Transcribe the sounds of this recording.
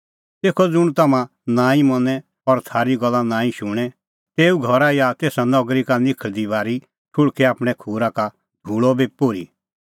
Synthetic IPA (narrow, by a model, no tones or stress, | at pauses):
t̪eːkʰɔd͡zʊɽ̃t̪ɐmã | nãːĩmɔnɛ | ɔɾt̪ʰaːɾiɡɔlːanãːĩʃʊɽ̃ɛ | t̪eːuɡʱɔɾajat̪eːsanɔɡɾikanɪkʰəɭd̪ibaːɾi | ʈʰʊɽkʰɛaːpɽ̃ɛkʰuːɾaka | d̪ʱuːɭɔbipoːɾḭ